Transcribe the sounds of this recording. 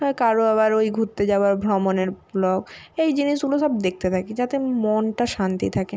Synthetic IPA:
hɔekaɾoaβaɾojɡʱuɾt̪ːed͡ʑaoaɾbʱɾɔmoneɾblɔɡejd͡ʑiniʃɡuloʃɔb̚d̪ek̚ʰt̪et̪ʰaked͡ʑat̪emonʈaʃant̪ḭt̪ʰake

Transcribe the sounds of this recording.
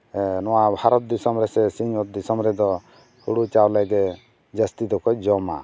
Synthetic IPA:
nɔwabhaɾɔt̪̚d̪isɔmɾɛsɛsiɲɔt̪̚d̪isɔmɾɛd̪ɔ | huɽut͡ʃawlaɡɛ | d͡ʒast̪id̪ɔkɔd͡ʒɔma̰

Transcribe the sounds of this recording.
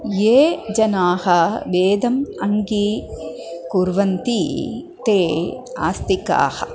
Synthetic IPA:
jeːd͡ʒɐnaːhɐʋeːd̪ɐmɐŋɡi | kuɾʋɐnt̪i | t̪eːa̰ːst̪ika̰ːhɐ̆

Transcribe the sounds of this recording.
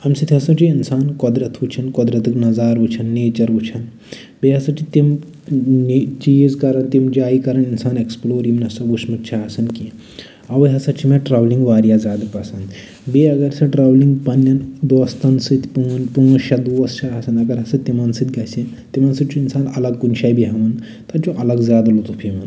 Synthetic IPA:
ɐmsit̪ʰʲɦɐsɐt͡ʃiinsaːnkɔd̪ɾɐt̪ʰʋut͡ʃʰɐnkɔd̪ɾɐt̪ɨknɐzaːɾʋut͡ʃʰɐnːeːt͡ʃɐɾut͡ʃʰɐn | beːɦɐsɐt͡ʃʰit̪im | net͡ʃizkɐɾɐnt̪imd͡ʒaːikɐɾɐninsaːneksploːɾimnɐsɐɡusmɐt̪t͡ʃʰaɐsɐnki | ɐʋɐɦɐsɐt͡ʃʰimẽʈɾaːʋliŋɡʋaːɾjazaːd̪pɐsɐnd̪ | beːɐɡɐɾsɐʈɾaːʋliŋɡpɐnːɐnd̪oːst̪ɐnsɨt̪ʰpuɐnpuŋɐʃɐd̪uɐst͡ʃʰaɦɐsɐnɐɡɐɾɦɐsɐt̪ːimɐnsɨt̪ʲɡɐsĩ | t̪imɐnsɨt͡ʃʰuinsaːnɐlɐɡkunʃaːjbiɦɐʋɐn | t̪ɐt͡ʃuʔɐlɐɡzaːd̪ɐlot̪upʰimɐn

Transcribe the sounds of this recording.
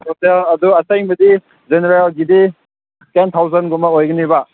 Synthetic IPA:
soselɐduɐsajŋbɐdi | zeneɾelɡidi | kentʰawzɐnɡumɐojɡɐniba

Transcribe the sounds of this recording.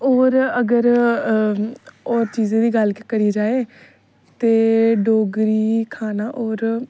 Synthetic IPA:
oːɾəɡəɾ | oːɾt͡ʃiːzẽːd̪iːɡəlkkəɾiːd͡ʒaːeː | t̪eːɖoːɡɾiːkʰaːnaːʔoɔːɾ

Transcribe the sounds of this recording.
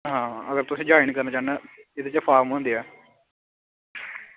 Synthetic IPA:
ɦãːəɡəɾt̪ʊsĩːd͡ʒaːɪniːkəɾnaːt͡ʃaːnːɛːɪt̪eːt͡ʃəpʰaːɾmɦõːnd̪iːɛː

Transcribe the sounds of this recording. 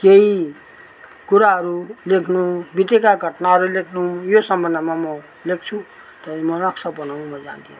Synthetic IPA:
kei | kuɾaɦʌɾulekʰnubit̪ekaɡʱʌʈnaɦʌɾulekʰnujosʌmbʌnamamʌ | lek̚t͡sʰũ | t̪ʌimʌnʌksʌbʌnaw̃mʌd͡za̰nt̪ʰin

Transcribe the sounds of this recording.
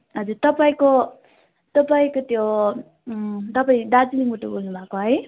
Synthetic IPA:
ɦʌd͡zuɾt̪ʌpaĩko | t̪ʌpaĩkot̪jo | t̪ʌpaĩd̪ad͡ziliŋuʈobolnubʱakoɦʌj

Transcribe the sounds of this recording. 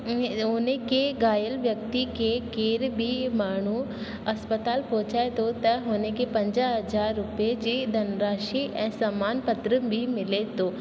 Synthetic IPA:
ɦoːnekeɡaːjəlʋjɐk̚t̪ikekeːɾbʱimaːɳ̤̃u | ɐspət̪aːlpõːt͡ʃaːet̪ot̪ɐɦoːnekepɐ̃ɲd͡ʒaɦɐd͡ʒaːɾːʊpjed͡ʒid̪ʱɐnɾaːʃiʔɛ̃ːsamaːnpət̪ɾəbʱimɪlet̪oː

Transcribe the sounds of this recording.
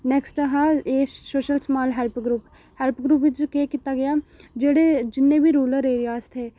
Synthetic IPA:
nɛksʈəɦaeːsoːʃəlsmaːlɦɛlpʰɡɾuːp | hɛlpʰɡɾuːp̬ʋɪt͡ʃkeːkɪt̪aːɡɪjaːd͡ʒeːɽeːd͡ʒɪnːẽːbʱiːɾuːləɾeːɾɪjaːst̪ʰeː

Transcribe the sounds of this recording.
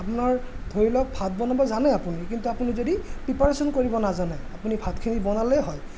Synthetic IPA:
apunaɹ | d̪ʱoɹilɔk̚bʰʱat̚bɔnabɔzanɛapunikintuapunizodipɹipaɹsɔnkoɹibɔnazanɛapunibʱatkʰinibɔnalɛɦɔj

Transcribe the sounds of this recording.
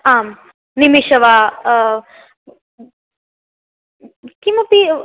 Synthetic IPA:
aːm | nimiʃɐʋa | kimɐpi

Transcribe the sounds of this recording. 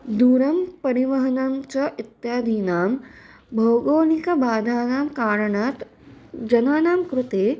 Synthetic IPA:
d̪uːɾɐmpɐɾiʋɐɦɐnɐmt͡ʃɐʔit̪jaːd̪ʱiːnaːm | bʱɐwɡoːnikɐbʱaːd̪ʱaːnaːmkaːɾɐɳat̪ | d͡ʒɐnaːnaːmkɾut̪eː

